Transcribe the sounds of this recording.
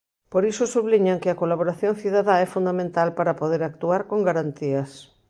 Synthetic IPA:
poɾisʊsuβliɲaŋkɪɐkolaβ̞oɾaθjoŋθiðaðaɛfund̪amẽnt̪alpaɾapoðeɾak̚t̪uaɾkoŋɡaɾant̪iɐs

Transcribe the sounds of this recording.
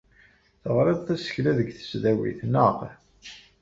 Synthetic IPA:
θəʁɾeðˤθæsə̥çlæðəɡθə̥sðæwḭθnəq

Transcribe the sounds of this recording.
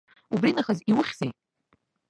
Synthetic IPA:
ubrinaχaziwʊχʲz̥ejtʼ

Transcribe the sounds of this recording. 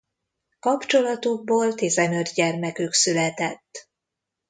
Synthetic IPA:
kɒpt͡ʃo̞lɒt̪uɡ̚boːlt̪eːzɛnød̪ɟɛrmɛkyksylɛt̪ɛt̪ː

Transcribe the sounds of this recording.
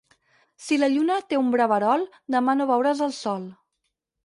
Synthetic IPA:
siləʎunət̪eumbɾaβəɾɔlˠ | d̪əmanoβɛwɾəzəlˠsɔlˠ

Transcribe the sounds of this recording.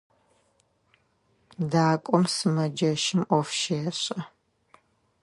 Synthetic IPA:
daːkʷʼɔmsɨmɐd͡ʒɐʃɪmʔɔfʃeːɕʼɐ

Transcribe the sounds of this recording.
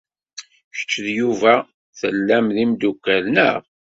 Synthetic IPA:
çə̥t͡ʃːðjuvæ | θəlːæmðimd̪ukːælnə̰ʁ

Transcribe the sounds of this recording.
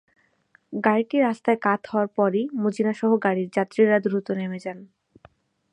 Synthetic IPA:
ɡaɾiʈiɾast̪aekat̪ʰɦɔoaɾpɔɾimud͡ʑinaʃɔɦoɡaɽiɾd͡ʑat̪ːɾiɾad̪ɾut̪onemed͡ʑan

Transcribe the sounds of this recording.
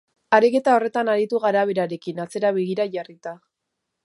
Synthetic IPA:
aɾike̞t̪ao̞re̞t̪anaɾit̪uɣaɾaβ̞e̞ɾaɾe̞kinat͡se̞ɾaβe̞ɣ̞iɾaʝarit̪a

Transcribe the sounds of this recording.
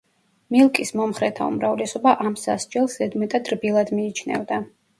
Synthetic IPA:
milˠkʼismɔmχɾɛt̪ʰa̰ṵmɾavlɛsɔbaʔamsa̰sd͡ʒɛlˠsɛd̪mɛt̪ʼad̪ɾbilˠad̪miːt͡ʃʰnɛ̰vd̪a

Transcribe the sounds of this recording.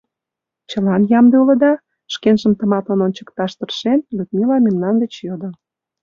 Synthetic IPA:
t͡ɕəlɑnjɑmd̪eulə̆d̪ɑ | ʃkenʒəmt̪əmɑt̪lɑnonʲt͡ɕə̥kt̪ɑʃt̪ə̆rʃenlyt̪̚milɑmʲemnɑnd̪ə̆t͡ɕjod̪ə̆

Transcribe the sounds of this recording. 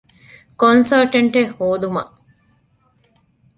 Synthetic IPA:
konsɐlʈɐɳʈehoːd̪umɐ̰ʔ

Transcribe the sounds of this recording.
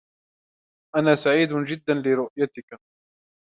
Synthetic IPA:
ʔanaːsaʕiːd̪ʊd͡ʒɪd̪ːanlɪɾʊʔjat̪ɪka

